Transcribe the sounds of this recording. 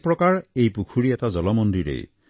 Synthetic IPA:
pɾɔkaɹejpukʰuɽiet̪ad͡ʒɔlɔmɔnd̪iɾḛj

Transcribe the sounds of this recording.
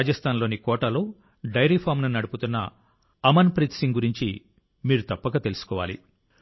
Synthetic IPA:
aːd͡ʒɐst̪ʰaːnlo̞ːnikɔːʈɐlo̞ː | ɖɐjɾiːpʰaːmnɐnːɐɽuput̪unːɐ | ɐmɐnpɾit̪siŋɡuɾiɲt͡ʃi | miːɾut̪ɐpːɐɡɐt̪e̞lusu̥kɔːʋa̰ːlḭ

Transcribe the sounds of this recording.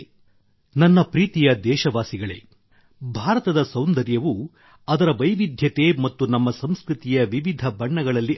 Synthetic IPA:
nɐnːɐpɾiːt̪ijɐd̪ɛːʃɐʋaːsiɡɐɭḛː | bʱaːɾɐt̪ɐd̪ɐsɐwnd̪ɐɾjɐʋu | ɐd̪ɐɾɐʋɐjʋid̪ʱjɐt̪e̞mɐt̪ːunɐmːɐsɐmskɾut̪ijɐʋiʋid̪ʱɐbɐɳːɐɡɐɭɐlːi

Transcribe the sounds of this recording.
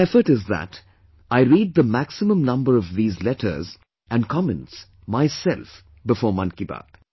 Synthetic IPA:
ɛfəʈɪzðæ̰t | aɪɾiːd̪̚ðəmæksɨmə̃mnʌ̃mbəɾʌvðiːzlɛtʰə̰˞z | ʔæ̃nkʰɑmɛ̃nts | maɪsɛlf | bɨfɔːɹmʌ̃nkiba̰ːd̥

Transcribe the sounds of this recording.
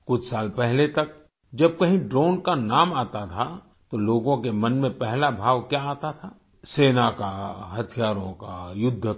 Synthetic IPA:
kʊt͡ʃʰsaːlpɛɦlet̪ɐk̚ | d͡ʒɐb̚kɐɦĩɖɾoːnkanaːmaːt̪at̪ʰa | t̪oloːɡõkemɐnmẽpɛɦlabʱaːʋkjaaːt̪at̪ʰaː | seːnakaɦɐt̪ʰijaːɾõkajʊd̪ʱːə

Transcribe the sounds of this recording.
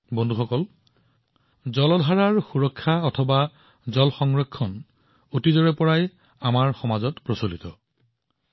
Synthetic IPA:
bɔndʱuxɔkɔl | zɔlɔdʱaɹaɹxuɹɔkʰːaɔtʰɔba | zɔlxɔŋɹɔkʰːɔn | otizɔɹɛpɔɹaj | amaɹxɔmazɔtpɹosolitɔ

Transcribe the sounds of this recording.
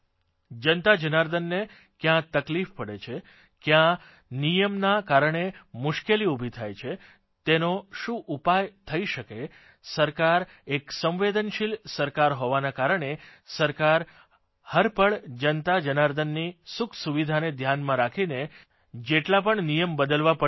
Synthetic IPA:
d͡ʒənt̪ad͡ʒənaɾd̪ənːe | kjãt̪əklifpəɽet͡ʃʰe | kjã | nijəmnakaɾɳemʊʃkeliubʱit̪ʰajt͡ʃʰe | t̪enoʃũʔupajt̪ʰəiʃəke | səɾkaɾ | eksə̃mʋed̪ənʃilsəɾkaɾɦoʋanakaɾəɳ̃esəɾkaɾ | həɾpəɭd͡ʒənt̪ad͡ʒənaɾd̪ənːisukʰsuʋid̪ʱaned̪ʱjanmãɾakʰine | d͡ʒeʈlap̬əɳnijəmbəd̪əlʋapə

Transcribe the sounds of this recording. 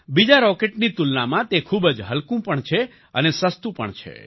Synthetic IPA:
bid͡ʒaɾɔkeʈnit̪ulnamãt̪ekʰubəd͡ʒɦəlkũpəɳt͡ʃʰe | ənesəst̪ũpə̰ɳt͡ʃʰḛ

